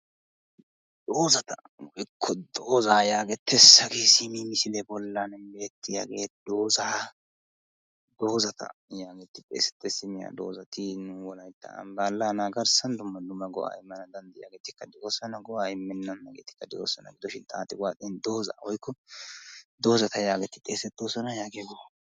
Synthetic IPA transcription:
d̪oːzɐt̪ɐ | wɔjkʰːɔd̪oːzaːjaːɡɛt̪ʰːɛsɐɡesimimɪsɪlɛbɔlːanbe̞ːt̪ːɪja̰ɡeːt̪ɪd̪o̞ːzaː | d̪o̞ːzɐt̪ʰɐ̰jaːɡɛt̪ːɪpʼḛːsɛ̥t̪ːɛsɪmɪja̰ːd̪o̞̰ːzɐt̪ɪnʊwɔlɐjt̪ːɐ̰baːlːaːnaɡɐɾsɐnd̪ʊmːɐd̪ʊmːɐɡɔ̰ʔa̰ːɪmːɐnɐd̪ɐnd̪ɪja̰ːɡeːt̪ɪkːɐd̪ɪʔosɔnɐɡɔʔaːɪmːɛnːɐnːɐɡḛːt̪ɪ̥kːɐd̪ɪo̰ːsɔnɐ̰ɡɪd̪ɔʃɪnt̪ʼaːt̪ʼːɪwaːt̪ʼɛnd̪o̞ːza̰ːwɔjkːɔ | d̪o̞ːzɐt̪ɐjaːɡɛt̪ːɪt̪ʼeːsɛt̪ːoːsɔnɐjaːɡeɡɔ

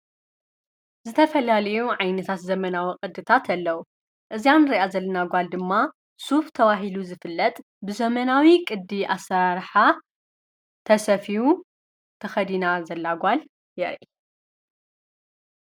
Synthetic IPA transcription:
zɨt̪ʰɐfɐlalɐjuʕajnɐt̪ʰat̪zɐmɐnawiqʼɨd̪ɨt̪ʰat̪ʰɐlːɐwu | ʔɨzianɾiʔazɐlːɐnaɡʷald̪ɨmːa | suft̪ʰɐwaɦiluzɨfɨlːɐt̪ʼ | bɨzɐmɐnawikʼɨd̪ːiʔasːɐɾaɾħa | t̪ʰɐsɐfiwu | t̪ʰɐxɐd̪inazɐlːaɡʷal | jɛɾʔi

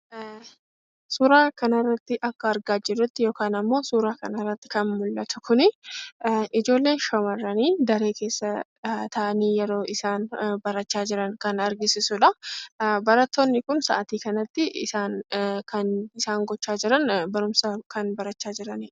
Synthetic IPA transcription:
suːɾaːkɐnɐrːɐt̪ːɪʔɐkːɐːɾɡaːd͡ʒɪrːʊt̪ːɪjo̞ːkaːnɐmːo̞ːsuːɾaːkɐnɐrːɐt̪ːɪ̥kɐnmʊlːɐt̪ʊ̥kʰʊnɪ | ʔɪd͡ʒo̞ːlːe̞ːʃɐmɐrːɐniːd̪ɐɾeːke̞ːsːɐ | t̪ɐʔɐniːjɛɾo̞ːʔɪsaːnbɐɾɐt͡ʃːaːd͡ʒɪɾɐŋkɐnɐɾɡɪsɪsʊᶑɐ | bɐɾɐt̪ːoːnːɪkʊnsɐ̰ʔɐt̪iːkɐnɐt̪ːɪɪ̰saːnkɐnɪsaːŋɡɔt͡ʃːaːd͡ʒɪɾɐnbɐɾʊmsɐkɐnbɐɾɐt͡ʃːaːd͡ʒɪɾɐnɪ

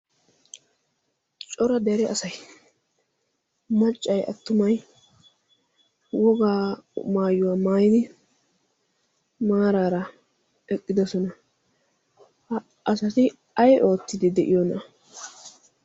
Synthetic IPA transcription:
t͡ʃʼɔɾɐd̪ɛɾɛʔɐsɐj | mɐt͡ʃʼːɐjʔɐ̰t̪ːʊmɐj | wɔɡaːmaːjːʊwaːmaːjɪd̪ɪ | maːɾaːɾɐ | ɛkʼːɪd̪ɔsɔnɐ | ʔɐsɐtɪ | ɐjʔo̞ːt̪ːɪd̪ɪd̪ɛʔɪjɔnɐ

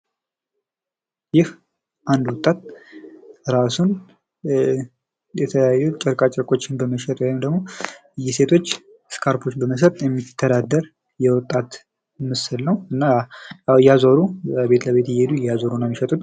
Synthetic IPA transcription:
jɪh | ʔand̪wɔt̪ʼːat̪̚ | ɾasun | jɛt̪ʰəəjajːut͡ʃʼɛɾkʼat͡ʃʼɛɾkʼo̞t͡ʃːɪnbəməʃɛt̪ʼwɔjimd̪əɡmo̞ɨjːɪse̞t̪ʰo̞t͡ʃː | skʰaɾpʰot͡ʃːbəməs̬ət̪ʼjɛmːit̪ʰːəd̪ad̪ːəɾ | jɛwɔt̪ʼːat̪ | mɨsɨlnəwɨnːa | jazoɾubəbe̞t̪ləβe̞t̪jɪjed̪ujazoɾunəmːiʃɛt̪ʼut̪

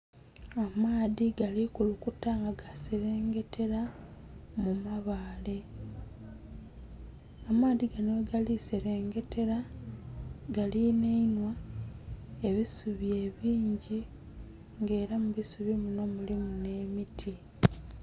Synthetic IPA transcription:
amaːðiɡalikulukutaŋɡaɡaseɾe̞ːŋɡe̞tʰe̞ɾa | mumaβaːle̞ | amaːðiɡanweɡalise̞ɾeːŋɡe̞tʰe̞ɾa | ɡalineinwa | e̞βisuβje̞βiːɲɟi | ŋɡe̞ːɾamuβisuβimuno̞mulimune̞ːmitʰi

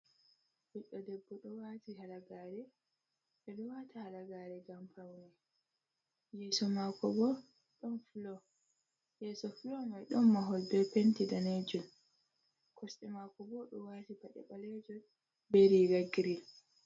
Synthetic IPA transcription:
biɗːɔdɛbːɔɗɔwatihalaɡaɾɛ | ɗɛɗɔwatahalaɡaɾɛɡampawnɛ | jɛsɔmakɔbɔ | ɗɔnfulɔ | jɛsɔfulɔmajɗɔmːaɦɔlbɛpentidaned͡ʒɔn | kʰɔsɛmakɔbɔɗɔwatibaɗɛ̰ɓalɛd͡ʒɔn | beɾiɡaɡiɾil

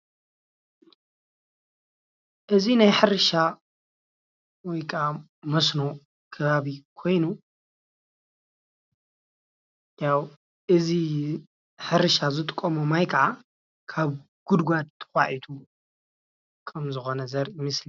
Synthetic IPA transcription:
ʔɨzinajħɨɾɨʃa | wɔjkʼa | mɐsno | kʰɨβaβikʰo̞jnu | jaw | ʔɨzi | ħɨɾɨʃazɨt̪ʼɨkʼːomumajkʰɐʕa | kʰaβ | ɡ̥ud̪ɡʷad̪̚t̪ʰɨ̥xʷa̰ʕit̪ʰu | kʰːɐmzɨxo̞nɐzɐɾimɨsli

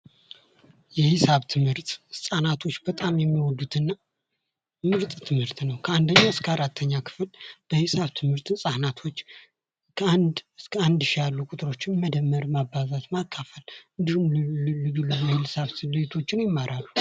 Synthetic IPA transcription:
jɛhɪsaβt̪ʰɨmhɨɾt̪ʼsʼanat̪ʰo̞t͡ʃːbət̪ʼamjɛmːiwɔd̪ːut̪ʰɨnːa | mɨɾt̪ʼt̪ʰɨmhɨɾt̪nəwkʰəand̪əɲːaɨskʰəaɾat̪ʰːəɲːakʰɨ̥flb̥əhɨsaβt̪ʰɨmhɨɾt̪ʰsʼanat̪ʰo̞t͡ʃː | kʰand̪skʰəand̪ʃijalːukʼʊt̪ʼɨɾo̞t͡ʃːɪnməd̪əmːəɾmabːazat̪makʰːafəlɨnd̪ihumɨɡɨlːɨɡhɪlsaβsɨd̪et̪ʰo̞t͡ʃːɪnjɪmːaɾʔalːu

